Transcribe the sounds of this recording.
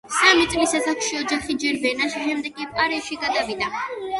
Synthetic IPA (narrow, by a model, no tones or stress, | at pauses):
samit̪sʼlisasakʃiɔd͡ʒaχid͡ʒɛɾbɛnaʃʃɛmd̪ɛɡʼipʼqʼaɾiʃiɡad̪avina